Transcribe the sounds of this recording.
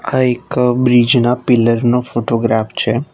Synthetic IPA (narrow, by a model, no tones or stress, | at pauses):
aekbɾid͡ʒnapɪləɾnofoʈoɡɾaft͡ʃʰe